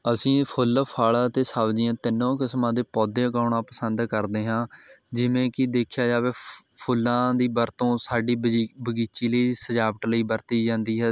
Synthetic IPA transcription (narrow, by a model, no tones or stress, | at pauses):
əsĩːpʰʊlpʰaːɭaːt̪eːsaːʋd͡ʒɪãːt̪ɪnːõːkɪsmãːd̪eːpɔːd̪eːɡaːɳãːpəsənd̪kəɾd̪eːɦãːd͡ʒɪʋẽːkɪd̪eːkʰjaːd͡ʒaːʋeːpʰʊlːãːd̪iːbəɾt̪õːsaːɖiːbəɡiːt͡ʃiːləiːsəd͡ʒaːʋəʈləiːbəɾt̪iːd͡ʒãːnd̪iːɦɛː